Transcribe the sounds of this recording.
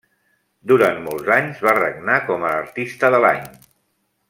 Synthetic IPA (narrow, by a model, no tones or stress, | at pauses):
d̪uɾant̪mɔlˠzaɲzβarə̰ɡnakɔməːɾt̪ist̪əðəla̰ɲ